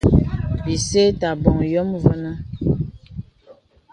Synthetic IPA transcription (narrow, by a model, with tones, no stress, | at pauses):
bi˨se˦ta˨bɔ˨ŋjɔ˦mvə˦nə˦